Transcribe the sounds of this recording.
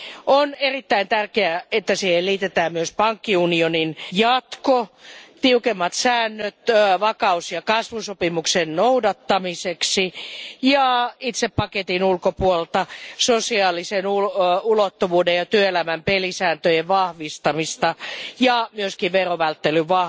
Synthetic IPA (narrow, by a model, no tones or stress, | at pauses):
onerit̪ːæint̪ærkeæet̪ːæsiːhelliːt̪et̪æːmmyøspɑŋkːiunioninjɑt̪kot̪iukemːɑt̪sæːnːøt̪ʋɑkɑusjɑkɑsʋusopimuksennoudɑt̪ːɑmiseksijɑit̪seppɑket̪inulkopuollt̪ɑsosiɑːlisenuulot̪ːuʋuːdejɑt̪yøelæmæmpelisæːnt̪øjeʋʋɑhʋist̪ɑmist̪ɑjɑmyøskiʋʋeroʋælt̪ːelyʋʋɑ